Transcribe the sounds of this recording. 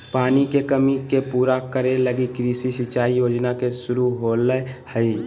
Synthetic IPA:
paːnikekəmikepuːɾakəɾeləɡikɾisisɪt͡ʃaːijoːd͡ʒnakesʊɾuɦoːləhəi

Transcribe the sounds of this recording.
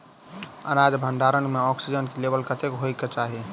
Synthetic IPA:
ə̰nad͡ʒbʱəɳɖaɾənmeɔksid͡ʒənkelebəlkət̪ekɦojket͡ʃaɦi

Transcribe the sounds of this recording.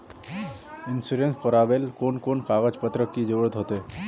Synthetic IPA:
ɪnsuːɾẽnskoɾaːbelkoːnkoːnkaːɣəd͡ʒpət̪ɾəkːid͡ʒoːɾət̪ɦoːt̪e

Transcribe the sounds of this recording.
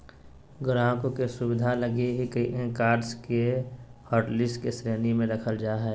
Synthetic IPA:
ɡɾãːkõkesʊwɪd̪ʱalɐɡeɦikəiʔẽkaːɾskehɔːʈlɪskesɾeːnimẽɾɐkʰəld͡ʒaːɦɛː

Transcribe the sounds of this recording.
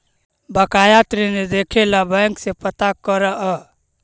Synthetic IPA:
bəkajat̪ɾined̪ekʰelabɛŋksepət̪akəɾəʔə

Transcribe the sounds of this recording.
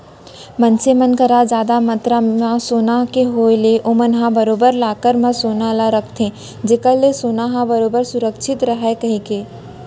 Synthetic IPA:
mənt͡ʃemənkəɾad͡ʒjaːd̪amə̃t̪ɾaãsoːnaɦkeɦoːeleʔomənɦãbəɾoːbəɾlaːkəɾmãsoːnalaɾəkʰt̪ʰẽ | d͡ʒekəlesoːnaɦãbəɾoːbəɾsʊɾəkʃʰɪt̪ɾəɦɛkɐɦĩkeː

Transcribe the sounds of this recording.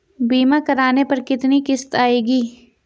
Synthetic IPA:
biːmãkɐɾaːnepɐɾkɪt̪nikɪst̪aːeːɡiː

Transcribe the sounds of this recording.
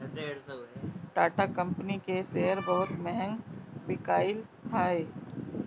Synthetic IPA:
ʈaːʈakɐ̃mpnikesejəɾbɐɦʊt̪mɛɦɛ̃ŋɡpɪkaːɪlɦaːe

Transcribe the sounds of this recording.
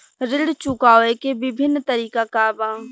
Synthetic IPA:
ɾɪɽt͡ʃʊkaːʋekebɪbʱɪnːt̪əɾiːkakabãː

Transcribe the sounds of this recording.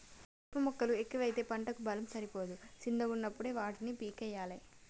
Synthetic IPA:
ɐpɐmɔkːɐluekːiʋɐjt̪e̞ːpɐɳʈɐkubɐlɐmsɐɾipoːd̪usind̪ʱɐɡunːɐpːuɽeːʋaːʈinipiːkɛjːaːlɐ

